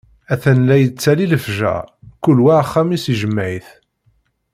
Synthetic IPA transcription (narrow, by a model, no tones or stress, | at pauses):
æθænlæjət͡sːæliləfʒæ̰kʊlwæχːæmisiʒəmːʕiθ